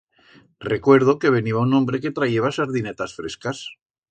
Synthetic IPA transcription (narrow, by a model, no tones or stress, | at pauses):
re̞kwe̞ɾð̞oke̞β̞e̞niβaunõmbɾe̞ke̞t̪ɾaje̞βasaɾðine̞t̪asfɾe̞̰skas